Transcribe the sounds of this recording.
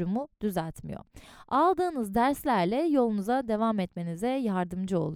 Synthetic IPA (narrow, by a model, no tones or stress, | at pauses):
ɾumud̪̥yzæt̪mḭjo̰alˠd̪ɯːnɯzd̪æɾslʲæɾlʲɛjo̞lˠunuzad̪e̞vamɛt̪me̞nizɛjaɾd̪ɯmd͡ʒɯo̞̰lˠu